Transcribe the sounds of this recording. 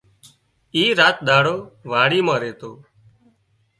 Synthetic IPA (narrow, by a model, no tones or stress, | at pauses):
iːɾaːt̪̚ɗ̪aːɽoːʋaːɽiːmãːɾeːt̪oː